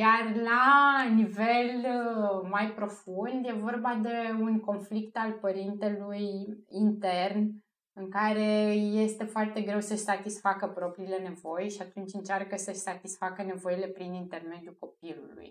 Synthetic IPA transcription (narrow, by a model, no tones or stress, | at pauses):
jarlanive̞l | majpɾo̞fund̪je̞vo̞rbad̪e̞unko̞nflikt̪alpəɾint̪e̞lujint̪e̞rn | ɨŋkaɾe̞je̞st̪e̞foart̪e̞ɡɾe̞wsəʃsat̪isfakəpɾo̞pɾiːle̞ne̞vo̞jʃiat̪unt͡ʃʲɨnt͡ʃarkəsəʃsat̪isfakəne̞vo̞ile̞pɾinint̪e̞rme̞d̪juko̞p̚ilṵlṵj